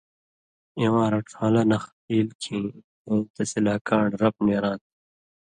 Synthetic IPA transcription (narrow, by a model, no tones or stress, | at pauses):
ĩwãːɾɐʈ͡ʂʰaːlɐnɐx | iːlkʰĩ | õːt̪ɐsilaːkaːɳɾɐp̚neːɾãːt̪̚